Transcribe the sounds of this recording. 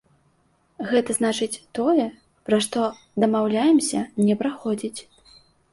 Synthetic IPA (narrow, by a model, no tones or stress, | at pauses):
ɣɛt̪ɐznat͡ʂɨt͡sʲt̪ɔjɛ | pɾaʂt̪ɔ | d̪ɐmawlʲajɛmsʲɐnʲɛpɾaxɔd͡zʲit͡sʲ